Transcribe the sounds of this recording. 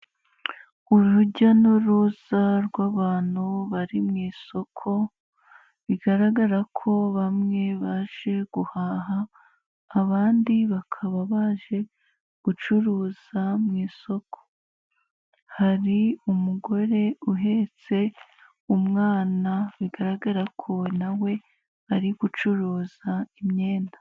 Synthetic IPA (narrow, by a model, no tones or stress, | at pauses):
uɾuɟanuɾuzaɾɡwaːβaːn̥huβaɾimŋiːso̞kʰo̞ | βiɡaɾaɡaɾakʰo̞βamŋe̞βaʒ̥e̞ɡ̥uhaːɦaː | βaːndiβakʰaβaβaːʒe̞ | ɡ̥ut͡ʃuɾuːz̥amŋiːso̞kʰo̥ | haɾiumuɡo̞ɾe̞uɦe̞t͡se̞ | umŋaːnaβiɡaɾaɡaɾakʰo̞nawe̞ | aɾiɡut͡ʃuɾuːzaimɲe̞ːndḁ